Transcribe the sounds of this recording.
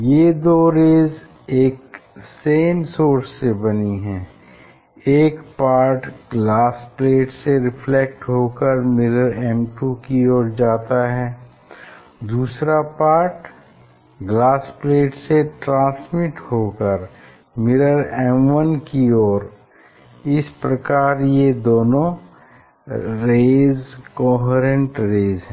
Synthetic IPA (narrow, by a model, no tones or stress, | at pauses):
jed̪oːɾeːz | eːkseːnsoːɾsːebɐniɦɛ̃ː | eːkpaːɾʈɡlaːspleːʈseɾɪfʰlɛk̚ʈɦoːkəɾmɪɾəɾɛmʈukiɔːɾd͡ʒaːt̪aɦɛː | d̪uːsɾapaːɾʈ | ɡlaːspleːʈseʈɾãːsmɪʈhoːkəɾ | mɪɾəɾɛːmʋənkiɔːɾ | ɪspɾɐkaːɾjed̪oːnõ | ɾeːzkɔːɦəɾə̃ɳʈɾeːzɦɛ̃ː